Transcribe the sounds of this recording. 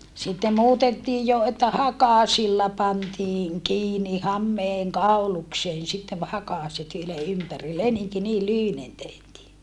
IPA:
sitːe muːtetːiːj jo etːæ hɑkɑˑsilːɑ pɑntiːŋ kiːni hɑmːeːŋ kɑulukseːn sitːeʋ hɑkɑˑset yle ympæri leniŋki niːl lyhynen tehtiː

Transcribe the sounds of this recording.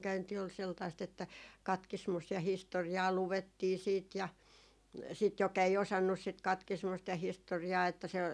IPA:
kæynti ol seltɑist etːæ kɑtkismust jɑ historiɑː luʋetːiː siːt jɑ sit jok ei osɑnːus sit kɑtkismust jɑ historiɑː etːæ se

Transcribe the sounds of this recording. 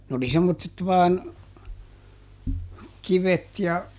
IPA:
nĕ oli semːotːet ʋɑːn kiʋet jɑ

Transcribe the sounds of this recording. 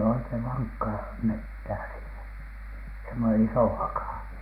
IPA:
oikeĭʋ ʋɑŋkːɑː metːæː siːnæ semːone isoˑ hɑkɑˑ

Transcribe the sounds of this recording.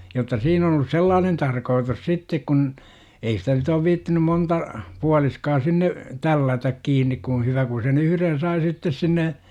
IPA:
jotːɑ siːn on olus selːɑːnen tɑrkoːtus sitːek kun ei sitæ nyt oːʋ ʋiːtːinym montɑ puɑliskɑː sinːe tælːætæk kiːnˑik kun̞ hyʋæ ku sen yhyren sɑi sitːes sinːe

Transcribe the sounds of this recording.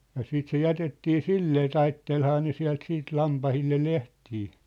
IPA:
jɑ siːt se jætetːiː silːeː tɑitːelhɑː ne siæ̝lt siːt lɑmpɑhilːe lehtiː

